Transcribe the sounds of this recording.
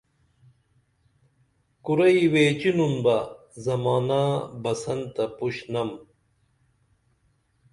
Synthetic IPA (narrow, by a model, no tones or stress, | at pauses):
kuɾɐiweːt͡ɕinunbɐ | zɐmaːnabɐsɐnt̪ɐpuɕnɐm